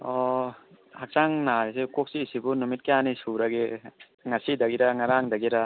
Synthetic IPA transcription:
ɔ | hak̚saŋnaɾesekok̚sisibunumit̚kijanisuɾaɡe | ŋasidaɡiɾaŋaɾaŋdaɡiɾa

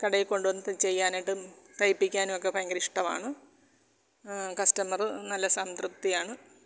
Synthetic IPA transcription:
kɐɽɐjiko̞ɳɖuʋɐnːɨt̪ɨt͡ɕe̞jːaːniʈːɨt̪ɐjpːikʲːaːnimokːepɐjɐŋɡɐɾiʂʈɐma̰ːɳɨ | kɐstɐmɐrɨnɐlːɐsant̪rup̚t̪ːijaːɳɨ

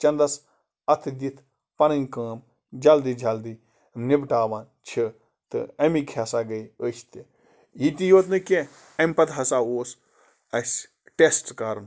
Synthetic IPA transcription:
t͡ʃɐnd̪ɐs | ɐt̪ʰɨd̪it̪ʰ | pɐnɐnʲkãːm | d͡ʒɐld̪id͡ʒɐld̪i | mnibʈaːʋaːn | t͡ʃʰi | t̪ɨ̰ɐmikʰaːsaːɡɐjəːʃʰt̪i | jit̪ʲijoːt̪nɨkʲe | ɐmʲpɐt̪ɦɐsaːoːs | ɐsʲ | ʈesʈkaːɾn

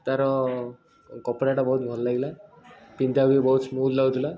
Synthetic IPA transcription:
t̪ɐɾɔ | kɔpːɽeʈabɔɦut̪mʱɔllaɡla | pind̪abibɔɦut̪smuːd̪lawt̪ula

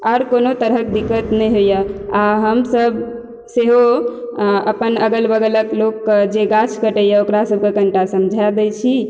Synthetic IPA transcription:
aɾkonot̪əɾɦək̚d̪ikːət̪nəjɦojəaɦəmsəb | seɦo | ə̰pənəɡəlbəɡələklokːd͡ʒeɡat͡ʃʰkəʈəjəokɾasəb̚ʱkekəɳʈasəmd͡ʒʱad̪ɛjt͡ʃʰi

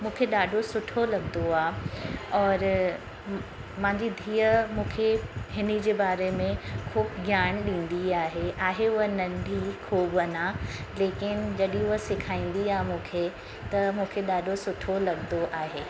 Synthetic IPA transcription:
mũːkʰeɗaːɖʱosʊʈʰolɐɠnoaːɔːɾ | mãɪ̃ɲd͡ʑid̪ʱiːəmũːkʰeɦɪnid͡ʑeːbaːɾemẽkʰuːbɡʱjaːɽ̃ɗĩːnd̪iaːɦeaːɦeʊɦənɐ̃nɖ̪ʱikʰoːbɐnaleːkɪnd͡ʑɐɗiĩʊɦəsɪkʰaːĩːn̆d̪iaːɦmũːkʰe | t̪ɐmũːkʰeɗaːɖʱosʊʈʰolɐɠnoʔaːɦeː

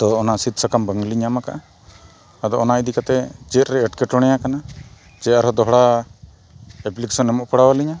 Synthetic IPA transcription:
t̪ɔːnasit̪̚səkambəŋɡliɲamaka̰ʔa | ad̪ɔːnaid̪ikat̪ɛt͡ʃɛt̪̚ɾɛːʈkɛʈɔɽ̃ɛjakana | t͡ʃɛt̪ɾɔd̪ɔɦɽa | ɛpliksɔnɛmɔʔpəɽawaliɲa

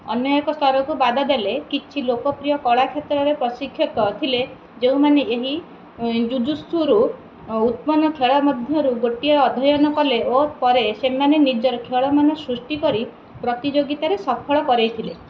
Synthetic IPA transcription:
ɔ̰njɔjekɔst̪ʰɔɾɔkubad̪ʱad̪elekit͡ʃʰilokɔpɾijɔkɔɭakʰjet̪ɾɔɾepɾɔsikʰːjɔt̪ɔt̪ʰile | d͡ʒeũmaneeɦi | d͡ʒud͡ʒust̪uɾu | ut̪mɔnɔkʰeɭɔmɔd̪ʱjɔɾuɡoʈiɔɔd̪ʱɔjɔnɔkɔleopɔɾesemanenid͡ʒɔɾɔkʰeɭɔmanɔsɾusʈikɔɾi | pɾɔt̪id͡ʒoɡit̪aɾesɔpʰɔɭɔkɔɾejt̪ʰile

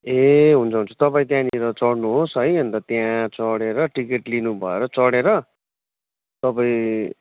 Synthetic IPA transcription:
eɦunt͡sʰʌɦunt͡sʰu̥t̪ʌpaĩt̪jãniɾʌt͡sʌɽnuɦosɦʌjʌnt̪ʌt̪jãt͡sʌɽeɾʌʈikeʈlinubʱʌeɾʌt͡sʌɽeɾʌ | t̪ʌpaĩ

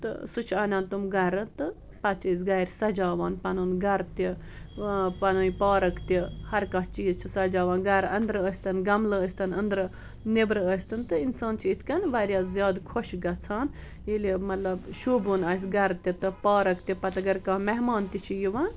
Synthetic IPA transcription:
t̪ɨ̰sut͡ʃʰɐːnʲaːnt̪umɡɐɾɨnt̪ɨ | pɐt͡ʃʰəsɡɐɾʲsɐd͡ʒaːʋaːnpɐnuːnɡɐɾt̪i | pɐnuːnipaːɾɐkt̪ʲihɐɾkãɦt͡ʃiːzt͡ʃʰisɐd͡ʒaːʋaːnɡɐɾɐnd̪ɾɨəːsʲt̪ɐnɡɐmlɨəsʲt̪ɐnɐnd̪ɾɨ | nebɾɨəsʲt̪ɨnt̪ɨinsaːnt͡ʃʰiit̪ʰkʲɐnʋaɾʲjaːzjaːd̪kʰoʃɡɐt͡sʰaːn | jilimɐt̪lɐbʃuːbunɐːs̬ʲɡɐɾt̪ʲit̪ɨpaːɾɐkt̪ʲipɐt̪ɐɡɐɾkãmɛɦmaːnt̪it͡ʃʰijiʋan

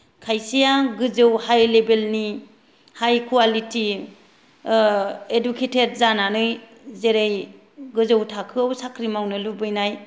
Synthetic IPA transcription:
kʰajsijaɡɯzɯwhajlebelni | hajkʰualiti | edukʰetʰed̚zananɯj | zeɾej | ɡɯzɯwtʰakʰɯawsakʰɾimawnɯlubɯjnaj

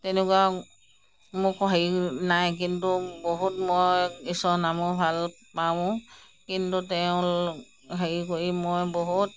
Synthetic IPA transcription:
tɛnɛkwa | mʊkɔɦeinajk̬intuboɦutmojisɔnamɔbʱal | pã | kintutɛʊ̃ | ɦeɹikoɹimojboɦut̚

